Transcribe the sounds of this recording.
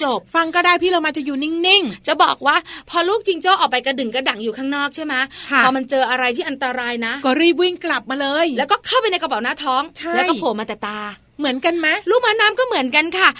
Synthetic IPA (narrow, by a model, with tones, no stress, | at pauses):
t͡ɕo˨˩p̚fa˧ŋkɔː˥˩daː˥˩jpʰiː˥˩ɾa˧wmaː˧t͡ɕa˨˩juː˨˩ni˥˩ŋni˥˩ŋt͡ɕa˨˩bɔː˨˩k̚waː˥˩pʰɔː˧luː˥˩k̚t͡ɕi˧ŋt͡ɕoː˥˩ʔɔː˨˩k̚pa˧jka˧dɯ˨˩ŋka˧˥˩da˨˩˦ŋjuː˨˩kʰaː˥˩ŋnɔː˥˩k̚t͡ɕʰa˥˩jma˦˥pʰɔː˧ma˧nt͡ɕɤː˧ʔa˧ɾa˧jt̪ʰiː˥˩ʔa˧nt̪a˧ɾaː˧jna˦˥ʔkɔː˧˩ɾiː˥˩p̬̚wi˥˩ŋkla˨˩p̚maː˧lɤː˧jlɛ˦˥wkɔː˥˩kʰa˥˩wpa˧jna˧jka˧pa˨˩˦wnaː˦˥t̪ʰɔː˦˥ŋt͡ɕʰa˥ɛː˧˦˥jkːhoː˩˦maː˧t̪ɛː˨˩t̪aː˧ | mɯ˩˦ənka˧nma˦˥luː˥˩k̚maː˦˥naː˦˥mkɔː˥˩mɯ˨˩˦ənka˧nkʰa˥˩